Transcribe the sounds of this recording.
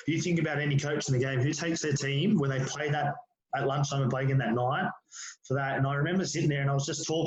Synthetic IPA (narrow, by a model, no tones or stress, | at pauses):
d̥ɨjɨθɪ̃ŋkɨbaʊɾɛnikʰoʊt͡ʃn̩ðɨɡẽɪ̃mɦʉtʰeɪksðə˞tʰĩmwə̃˞ðeɪv̥pʰl̥eɪd̪̚ðəɾ | ətˡlʌ̃nt͡ʃtʰãɪməpʰl̥eɪɡɨ̃nðɨtⁿnaɪt̚fə˞ðæɾɨ̃naɪɹɨmɛ̃mbə˞sɪɾɪ̃ŋðə˞ɨ̃naɪwʌzd͡ʒʌstʰɔk